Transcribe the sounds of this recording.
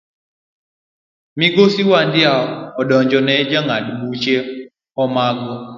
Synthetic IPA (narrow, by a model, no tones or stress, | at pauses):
miɡosiwandɪaɔɔɗɔɲd͡ʒɔnɛd͡ʒaŋadbut͡ʃe | ɔmaɡɔ